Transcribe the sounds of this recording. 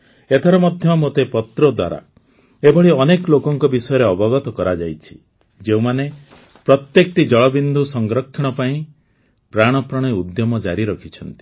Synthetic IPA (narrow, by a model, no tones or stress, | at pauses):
et̪ʰaɾɔmɔd̪ʱjɔɔmot̪epɔt̪ɾɔd̪wa̰ɾa̰ | ebɔɭiɔnekɔlokɔŋkɔbisɔjɔɾeɔbɔɡɔt̪ɔkɔɾad͡ʒajt͡ʃʰi̥ | d͡ʒeũmane | pɾɔt̪jekɔʈid͡ʒɔɭɔbind̪ʱusɔŋɡɾɔkʰːiɽ̃ɔpaĩ | pɾaɽ̃ɔpɾɔɽ̃iud̪jɔmɔd͡ʒa̰ɾiɾɔkʰit͡ʃʰɔnt̪i̥